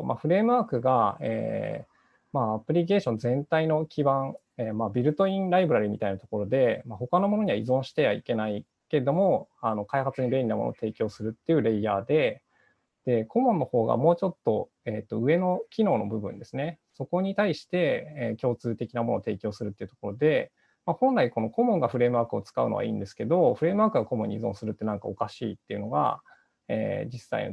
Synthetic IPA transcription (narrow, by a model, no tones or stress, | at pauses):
mʔa̰ɸɯ̟ɾe̞ːmɯ̟aːkɯɡaḛː | maapɯ̟ɾʲik̬e̞ːɕõnd͡zẽ̞nt̪aino̞kʲibãɴ | eːmabʲiɾɯ̟t̪o̞ĩnɾaibɯ̟ɾaɾʲimʲit̪ainat̪oko̞ɾo̞d̪e̞maho̞kano̞mo̞noɲ̟iβaizõ̞ɰ̃ɕi̥t̪e̞βa̰ike̞nai | ke̞d̪o̞mo̞ano̞kaihat͡sɨɲ̟ibẽ̞ɾʲinamono̰t̪e̞ːkʲo̞ːsɨɾɯ̟t̪ːe̞jɯ̟ɾe̞iaːd̪e̞ | d̪̥e̞ko̞mõ̞nːo̞ho̞ːɡa̰mo̞ːt͡ɕo̞t̪ːo̞ | et̪ːo̞ɯ̟e̞no̞kʲino̞ːno̞bɯ̟bɯ̟̃nd̪e̞sɨne̞so̞ko̞ɲ̟it̪aiɕi̥t̪e̞ːkʲo̞ːt͡sɨːt̪e̞kʲinamo̞noːt̪e̞ːkʲo̞ːsɨɾɯ̟t̪ːeiɯ̟t̪o̥ko̞ɾo̞d̪e̞ | mahõ̞nɾaiko̞no̞ko̞mõ̞ŋɡaɸɯ̟ɾe̞ːmɯ̟aːkɯ̟ot͡sɨ̥kaɯ̟no̞̰a̰ḭ̃ːnd̪e̞sɨ̥ke̞d̪o̞ɸɯ̟ɾe̞ːmɯ̟βaːkɯ̟ɡako̞mõ̞ɲʲːizõ̞sɨɾɯ̟t̪ːe̞nãŋka̰o̞kaɕiːt̪ːe̞iɯ̟no̞ɡa̰ | ḛːd͡ʑisːa̰ḭn̰